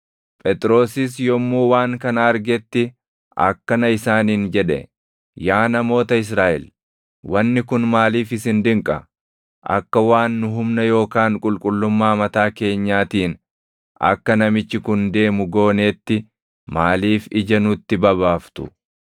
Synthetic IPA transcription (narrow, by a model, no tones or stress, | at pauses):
pʼɛt̪ʼɾo̞ːsɪs̬jɔmːuːwaːŋkɐnɐɐɾɡɛt̪ːɪ | ɐ̰kːɐnɐɪsaːniːnd͡ʒɛᶑɛ̰ | jaːnɐmo̞ːt̪ɐɪs̬ɾaːʔɛ̰l | wɐnːɪkʊnmaːliːfɪsɪnd̪ɪŋkʼɐ̰ | ʔɐ̰kːɐwaːnːʊɦʊmnɐjo̞ːkaːŋkʼʊlkʼʊlːʊmːaːmɐt̪aːke̞ːɲːaːt̪iːn | ɐ̰kːɐnɐmɪt͡ʃːɪkʊnd̪e̞ːmʊɡo̞ːneːt̪ːɪ | maːliːfɪd͡ʒɐnʊt̪ːɪbɐβaːft̪ʊ̰